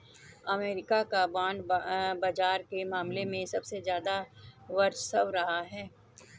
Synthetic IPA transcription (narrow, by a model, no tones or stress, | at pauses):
ɐmeːɾɪkakabãːnd̪baːd͡ʒaːɾkemaːmlemẽsɐbsezjaːd̪aʋɐɾt͡ʃsɐʋɾɐɦaɦɛː